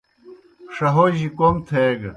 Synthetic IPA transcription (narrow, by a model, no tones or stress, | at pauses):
ʂɐɦoʑikomt̪ʰeɡ